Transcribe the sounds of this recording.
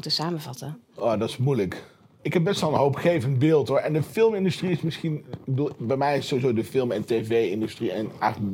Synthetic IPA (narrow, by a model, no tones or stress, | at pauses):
təsaːməvɑtə | ʔoːdɑtɪ̥smujlək | ɪkɦɛpb̚bɛstʋɛlˠənɦowpχejvənd̚bɪːlˠtɦʊɹɛndəfɪlˠmɪndystriɪsmɪsχindbɛjmɛjɪssowizowdəfɪlˠmɛntevejɪndystriənɛχ